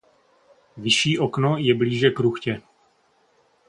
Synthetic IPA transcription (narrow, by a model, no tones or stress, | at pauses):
vɪʃiːʔoknojɛbliːʒɛkɾuxcɛ